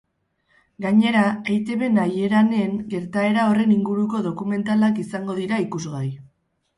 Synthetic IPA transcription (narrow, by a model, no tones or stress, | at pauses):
ɡaɲe̞ɾaejt̪e̞βe̞naje̞ɾane̞ŋɡe̞ɾt̪ae̞ɾao̞re̞niŋɡuɾuko̞ðo̞kume̞nt̪alakisaŋɡo̞ðiɾaikuzɣaj